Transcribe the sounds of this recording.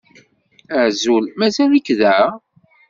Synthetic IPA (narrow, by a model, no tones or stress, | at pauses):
əʕzulmæzælikðæ